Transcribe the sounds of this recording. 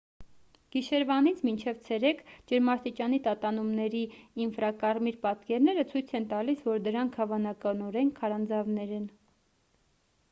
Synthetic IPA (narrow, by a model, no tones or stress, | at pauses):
ɡ̥iʃɛɾvɑnit͡sʰmint͡ʃʰɛvt͡sʰɛɾɛkʰd͡ʒəɾmɑɾt̪it͡ʃɑnit̪ɑt̪ɑnumnɛɾiːnfɾɑkɑɾmiɾpɑt̪kɛɾnɛɾət͡sʰujt͡sʰɛnt̪ɑlisvɔɾd̪əɾɑŋkʰhɑvɑnɑkɑnɔɾɛŋkʰɑɾɑnd͡zɑvnɛɾɛn